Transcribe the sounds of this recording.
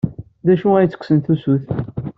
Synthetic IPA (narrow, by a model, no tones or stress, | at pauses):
ðæʃuæjt͡sːə̥kʷːsənθusuθ